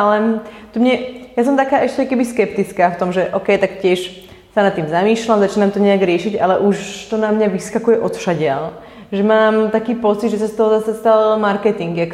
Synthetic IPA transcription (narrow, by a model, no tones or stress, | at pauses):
alɛt̪umɲɛjas̬ɔmt̪akaːʔɛʃcɛkɛbiskɛpt̪it͡skaːft̪ɔmʒɛʔɔkɛjt̪akcɪɛʃ | sanat̪ːiːmzamiːʃlamzat͡ʃiːnamt̪ɔɲɛjaɡɾɪɛʃiɟalɛʔuʃt̪ɔnamɲaʋiskakujɛʔɔt̪fʃaɟɪal | ʒɛmaːmt̪akiːpɔt͡sid̪ʒɛsast̪ɔɦɔzasast̪almaɾkɛt̪iŋɡak